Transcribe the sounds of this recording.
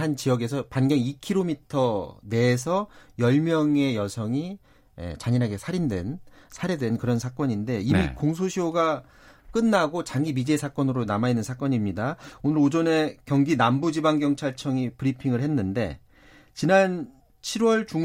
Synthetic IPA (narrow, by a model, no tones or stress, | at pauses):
ant͡ɕijʌɡe̞s̬ʰʌpanɡjʌŋikʰiɾomitʰʌne̞ːs̬ʰʌjʌɭmjʌŋe̞jʌsʰʌŋi | ḛt͡ɕaɲiɾɦaɡe̞sʰaɾindwe̞̰nsʰaɾedwe̞nkɯɾʌnsʰak͈ʌɲinde̞inikoŋsʰoɕʰioɡa | k͈ɯnːaɡot͡ɕaŋɡimid͡ʑesʰak͈ʌnɯɾonamainːɯnsʰak͈ʌɲimɲidaonɯɾod͡ʑʌne̞kjʌŋɡinambud͡ʑibaŋɡjʌŋt͡ɕʰaɭt͡ɕʰʌŋipɯɾipʰiŋɯɭhe̞nːɯnde̞̰ | t͡ɕinan | t͡ɕʰiɾwʌɭt͡ɕuŋ